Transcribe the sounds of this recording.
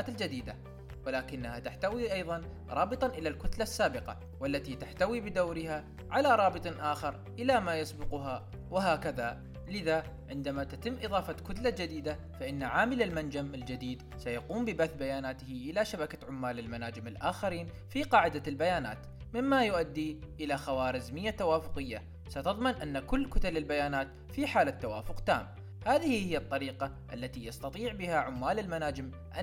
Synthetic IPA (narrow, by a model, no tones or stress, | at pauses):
aːt̪ald͡ʒad̪iːd̪a | wɪlaːkɪnːahat̪aħt̪awiʔɑjðˤɑn | ɾˤɑːbɨt̪ˤɑʔɪlalkʊt̪lasːaːbɪqɑ̰ | walːat̪it̪aħt̪awibɪd̪awɾɪha | ʕalaɾˤɑːbɨt̪ˤʔaːxɑɾˤ | ʔɪlamaːjɑsˤbʊqʊɦa | wɪɦaːkaða | lɪða | ʕɪnd̪amat̪at̪ɪmːʔɨðˤɑːfɑkʊt̪lad͡ʒad̪iːd̪a | faʔɪnːaʕaːmɪlɪlmand͡ʒamɪld͡ʒad̪iːd̪ | sajɑquːmbɪbaθbajaːnaːt̪ɪhʔɪlaʃabakaʕʊmːaːlɪlmanaːd͡ʒɪmɪlʔaːxaɾiːn | fiqɑːʕɪd̪albajaːna̰ːt̪ | mɪmːajʊʔad̪ːi | ʔɪlaxawaːɾɪzmɪjːat̪ːawaːfʊqɪjːa | sat̪ɑðˤmɪnʔanːakʊlːkʊt̪alɪlbajaːnaːt̪ | fiħaːlat̪ːawaːfʊqt̪a̰ːm | haːðɪhihɪjːat̪ˤːɑɾiːqɑ | ʔa̰lːat̪ijɑst̪ɑt̪ˤiːʕbɪhaʕʊmːaːlɪlmanaːd͡ʒɪm | ʔa